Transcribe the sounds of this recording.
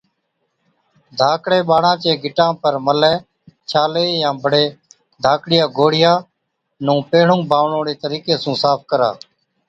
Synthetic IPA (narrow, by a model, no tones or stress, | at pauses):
d̪ʱaːkɽeːɓaːɳãːt͡ʃeːɡʱɪʈãːpəɾməlɛː | t͡ʃʰaːleːjãːbʱəɽeː | d̪ʱaːkɽɪjãːɡʱoːɽɪjãː | nũːpeːɳũːbʱaːʋɳõːɽeːt̪əɾiːkeːsũːsaːp̚ʰkəɾa̰ː